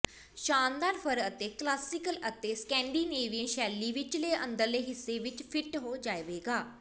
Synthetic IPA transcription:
ʃaːnd̪aːɾpʰəɾət̪eːklaːsɪkələt̪eːskɛ̃ːɳɖiːneːʋiə̃nʃɛːliːʋɪt͡ʃleːʔə̰̃nd̪əɾleːɦɪsːeːʋɪt͡ʃpʰɪʈɦoːd͡ʒaːeʋeːɡaː

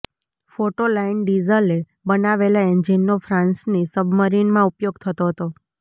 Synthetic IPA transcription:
foʈolainɖizəle | bənaʋelaend͡ʒinːofɾãnsnisəbʱməɾinmãupjoɡt̪ʰət̪oɦət̪o

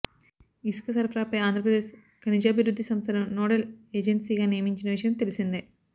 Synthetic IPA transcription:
iskɐsɐrpʰɾaːpːeaːnd̪rɐpɾɐd̪eːs | kɐnid͡ʑaːbʱiɾud̪ʱːisɐmsɐɾɐmno̞ːɽɐleːd͡ʑensiɣɐnijɐmiɲt͡ɕːunːɐʋiʂɐjɐmt̪elisunːɨ

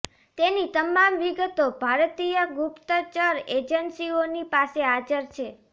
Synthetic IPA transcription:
t̪enit̪əmamʋiɡət̪obʱaɾt̪ijəɡupt̪ət͡ʃəɾed͡ʒənsionipasead͡ʒəɾt͡ʃʰe

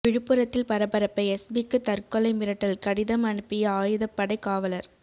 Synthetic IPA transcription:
ʋɪɻɯpːɯɾɐt̪ːɪlpɐɾɐpɐɾɐpːɐɪɛsbikːɯt̪ɐɾkɔlɐɪmɪɾɐʈːɐlkɐɽɪðɐmɐɳɯpːɪjɐaːjɯðɐpːɐɽɐɪkːaːʋɐlɐɾ

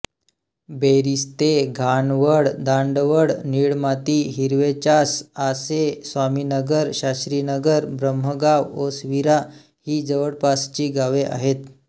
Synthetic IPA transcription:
beɾist̪eɡʱaɳʋəɽd̪aɳɖʋəɽniɭmat̪iːɦiɾʋet͡ɕasasesʋaminəɡəɾɕasɾiːnəɡəɾbɾəm̤ːəɡaʋosʋiɾa | hiːd͡zəʋəɽpast͡ɕiːɡaʋeʔa̰ɦet̪

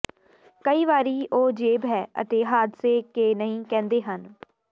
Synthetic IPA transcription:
kəiːʋaːɾiːʔoːd͡ʒeːbɦɛːə̰t̪eːɦaːd̪seːkeːnəɦĩːkɛ̃ːnd̪eːɦən

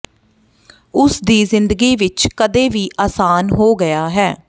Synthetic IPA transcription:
ʊsd̪iːzɪnd̪əɡiːʋɪt͡ʃkəd̪eːʋiːʔaːsaːnɦoːɡəjaːɦɛː

